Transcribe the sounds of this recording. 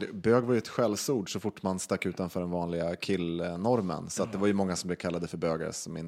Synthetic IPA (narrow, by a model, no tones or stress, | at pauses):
bøːɡvaɾjɵɛt̪ɧɛlsuːɖʂɔfʊʈːmanst̪akːʉ̟ːt̪anfœːɖɛnvɑːnlɪɡakʰɪlːnɔɾmə̰nsɔat̪̚d̪ɛvaɾjɵmɔŋːasɔmblɛvkʰalːad̪əfœɾbøːɡa̰ɾə̰sɔmɪ̰n